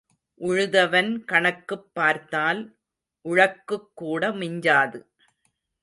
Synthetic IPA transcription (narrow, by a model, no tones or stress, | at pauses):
ʔʊɻɯðɐʋɐnkɐɳɐkːɯpːaːɾt̪aːl | ʔʊɻɐkːɯkːuːɽɐmɪɲd͡ʒaːðɯ